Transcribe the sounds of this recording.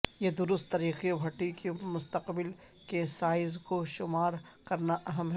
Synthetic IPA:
jed̪ʊɾʊst̪ːɐɾiːqeobʱɐʈikemʊst̪əqbɪl | kesaːɪzkoʃʊmaːɾ | kɐɾnaʔɐɦəmɦɛ

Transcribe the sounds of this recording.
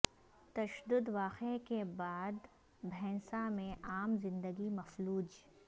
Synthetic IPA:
t̪ɐʃəd̪ʊd̪ʋaːqekebaːd̪ | bʱɛ̃ːsamẽʔaːmzɪ̃nd̪əɡimɐfluːd͡ʒ

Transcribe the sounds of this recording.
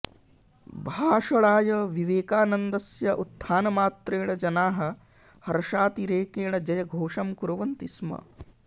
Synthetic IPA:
bʱaːʃɐɭaːjɐʋiʋeːkaːnɐnd̪ɐsjɐʔut̪ʰːaːnɐmaːt̪ɾeːɳɐd͡ʒɐnaːɦɐ̆ | hɐɾɐʃaːt̪iɾeːkeːɳɐd͡ʒɐjɐɡʱoːʂɐmkuɾɐʋɐnt̪ismɐ̰

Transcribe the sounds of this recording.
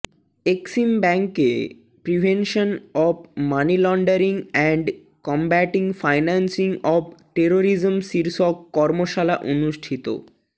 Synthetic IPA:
eksimbɛŋke | pɾibʱenʃonɔb̚manilɔɳɖaɾiŋɛɳɖ | kɔmbæʈiŋfajnansiŋɔb̚ʈeɾoɾid͡ʑmsiɾʃɔkːɔɾmoʃalaʔonuʃʈʰit̪o̰

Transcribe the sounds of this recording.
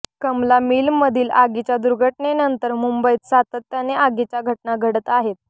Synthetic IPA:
kəmlamilːəd̪ʱiːlaɡit͡ɕjad̪uɾɡʱəʈɳenənt̪əɾmumbəit̪sat̪ət̪ːjaneʔaɡit͡ɕjaɡʱətʈ̚naɡʱəɽət̪aɦet̪̚

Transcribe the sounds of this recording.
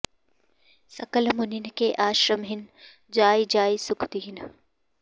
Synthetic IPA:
sɐkəlmʊnɪnɪ̆kʰeːʔaːʃɾəmɦɪnɪ̆ | d͡ʑaːid͡ʑaːisʊkʰt̪iɦɪnɪ

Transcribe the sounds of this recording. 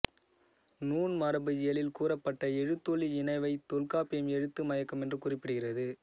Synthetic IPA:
nuːnmɐɾɐbɯɪjɐlɪlkuːrɐpːɐʈːɐɛɻɯt̪ːɔɭiɪnɐɪʋɐɪt̪ːɔlkaːpːɪjɐmɛɻɯt̪ːɯmɐjɐkːɐmɛndrɯkʊrɪpːɪɽɯɣɪrɐðɯ

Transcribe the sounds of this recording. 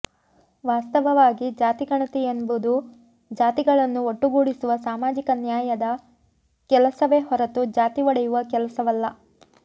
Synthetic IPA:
ʋaːst̪ɐʋɐʋaːɡid͡ʒaːt̪iɡɐɳɐt̪ijenbud̪u | d͡ʒaːt̪iɡɐɭɐnːuoʈːuɡuːɽisuʋɐsaːmaːd͡ʒikɐnjaːjɐd̪ɐ | kɛlɐsɐʋe̞ɦɔɾɐt̪ud͡ʒaːt̪iʋɐɽɛjuʋɐkɛlɐsɐʋɐlːɐ

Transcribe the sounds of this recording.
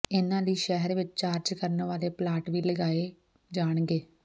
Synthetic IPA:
ɪnãːliːʃɛɦəɾʋɪt͡ʃt͡ʃaːɾd͡ʒkəɾnʋaːleːplaːʈʋiːləɡaːeː | d͡ʒaːɳ̃ɡeː

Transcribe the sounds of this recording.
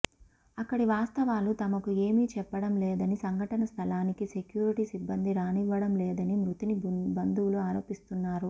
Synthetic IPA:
ɐkːɐɽiʋaːst̪ɐʋaːlut̪ɐmɐkueːmit͡ʃɛpːɐɽɐmlɛːd̪ɐnisɐŋɡʱɐʈɐnɐst̪ʰɐlaːnikise̞kjuːɾiʈisibːɐnd̪iɾaːniʋːɐɽɐmlɛːd̪ɐnimɾut̪inibɐnd̪uwuluaːɾo̞ːpist̪unːaːɾu

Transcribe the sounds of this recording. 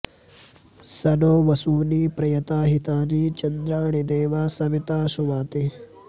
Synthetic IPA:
sɐnoːʋɐsuːniːpɾɐjɐt̪aːɦit̪aːɾiːt͡ʃɐnd̪ɾaːɳid̪eːʋaːsɐʋit̪aːʃuʋaːt̪i

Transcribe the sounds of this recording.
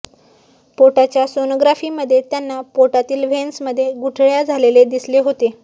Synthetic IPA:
poʈat͡ɕjasonoɡɾafiːməd̪ʱːjet̪janːapoʈat̪iːlʋensməd̪ʱːjeɡuʈʰɭjad͡zʱaleled̪isleɦot̪e

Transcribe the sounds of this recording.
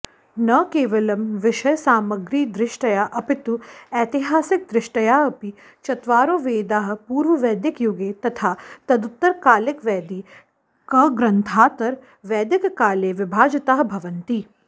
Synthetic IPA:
nɐkeːʋɐlɐmʋɪʃɐjsaːmɐɡɾiːd̪ɾɪʃʈɐjaːʔɐpɪt̪uɛːt̪ɪɦaːsɪk̚d̪ɾɪʃʈɐjaːɐpi | t͡ʃɐt̪ʋaːɾoːʋeːd̪aːɦ̆puːɾʋɐʋɛːd̪jɪkjuɡeːt̪ɐt̪ʰaːt̪ɐd̪ʊt̪ːɐɾkaːlɪkʋɛːd̪iː | kɐɡɾɐnt̪ʰaːt̪ɐɾ | ʋɛːd̪ɪkkaːleːʋɪbʱaːd͡ʒɐt̪aːɦbʱɐʋɐnt̪iː

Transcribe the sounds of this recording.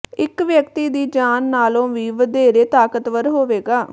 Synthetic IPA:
ɪkʋjəkt̪iːd̪iːd͡ʒaːnːaːlõːʋiːʋəd̪eːɾeːt̪aːkət̪ʋəɾɦoːʋeːɡaː

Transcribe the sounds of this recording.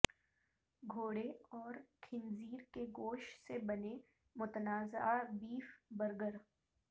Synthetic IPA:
ɡʱoːɽeɔːɾkʰɪnziːɾkeɡoːʃsebɐne | mʊt̪naːzabiːfbəɾɡəɾ

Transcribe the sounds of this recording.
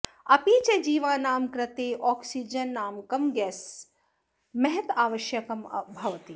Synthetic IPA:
ɐpiːt͡ʃed͡ʒiːʋaːnaːmkɾɐt̪eːʔɔːksid͡ʒɐnːaːmkɐmɡɛːs | mɐɦɐt̪aːʋɐʃjɐkɐmɐbʱɐʋɐt̪i

